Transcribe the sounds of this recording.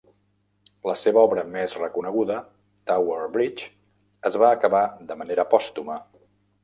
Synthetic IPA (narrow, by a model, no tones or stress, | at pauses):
ləseβəɔβɾəmezrəkunəɣuðə | t̪awəɾbɾit͡ʃ | əzβaəkəβad̪əməneɾəːpɔst̪umə